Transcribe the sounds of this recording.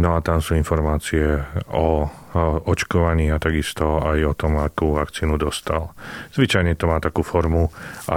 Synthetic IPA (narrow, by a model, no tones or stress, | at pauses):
nɔat̪amsuːinfɔɾmaːt͡siɛɔ | ɔt͡ʃkɔʋaɲiːat̪aɡist̪ɔajɔt̪ɔmakuːʋakt͡siːnud̪ɔst̪alz̥ʋit͡ʃajɲɛt̪ɔmaːt̪akuːfɔɾmua̰